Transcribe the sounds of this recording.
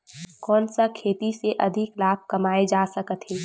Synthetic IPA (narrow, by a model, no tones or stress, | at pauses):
kɔːnsakʰeːt̪iseʔɐd̪ʱɪklaːb̚ʱkɐmaːed͡ʒaːsɐkət̪ɦeː